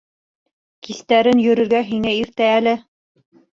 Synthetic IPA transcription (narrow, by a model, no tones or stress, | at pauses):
kist̪æɾɘnjɵ̆ɾɵ̆ɾɡæɦiŋæiɾt̪æːlɘ